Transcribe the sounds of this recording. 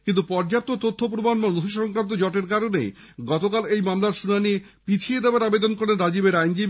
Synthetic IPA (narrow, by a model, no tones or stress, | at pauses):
kint̪upɔɾd͡ʑat̪ːot̪ot̪ʰːopɾomanmaod̪ʰʱiʃɔŋkɾant̪̬od͡ʑɔʈeɾkaɾonḛj | ɡɔt̪okalejmamlaɾʃunanie | pit͡ɕʰied̪eoaɾabed̪onkoɾenɾad͡ʑibeɾajnd͡ʑib